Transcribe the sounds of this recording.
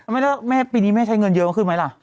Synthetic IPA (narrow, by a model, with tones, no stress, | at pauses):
ma˥˩jda˥˩wa˧˥˩mɛː˥˩piː˧niː˦˥mɛ˥˩t͡ɕʰa˦˥jŋɤ˧njɤ˦˥˨ma˧˥kʰɯ˥˩ma˦˥jla˨˩ʔ